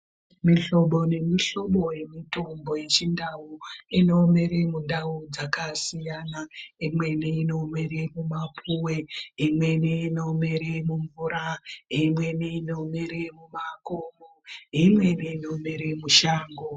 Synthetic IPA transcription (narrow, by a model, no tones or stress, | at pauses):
miɬo̞ɓo̞ne̞miɬo̞ɓo̞je̞mito̞mbo̞je̞t͡ʃindawuino̞me̞ɾemundaud͡zakasijanaimwe̞niino̞meɾemumapʰuweɦimwe̞niːnomeɾemuɱvuɾaɦimwe̞niino̞meɾemumakomoɦimwe̞niinomeɾemuʃaːŋɡo